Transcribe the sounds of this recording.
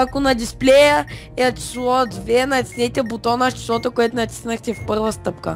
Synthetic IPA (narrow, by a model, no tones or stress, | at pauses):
akʊnɐd̪isplʲɛjəɛɐt͡ʃi̥slˠɔd̪vɛnɐt̪ʲi̥snɛt̪ʲɛbʊt̪ɔnaʃt͡ʃi̥slˠɔt̪okʊɛt̪ʊnɐt̪ʲi̥snəxt̪ʲɛfpɤɾvəst̪ɤpkə